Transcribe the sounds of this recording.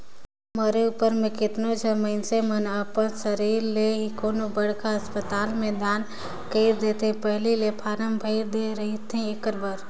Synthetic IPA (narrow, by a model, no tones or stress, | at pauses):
məɾeʊpəɾmẽkɪt̪not͡ʃʰɛmə̃ɪnsemənəpənsəɾiːɾːeɦikoːnobəɽkaəspət̪aːlmẽd̪aːn | kəɪɾd̪eːt̪ẽpɛɦlilepʰaːɾəmbʱəɪɾd̪eɾəɦit̪ʰĩɪkəɾbəɾ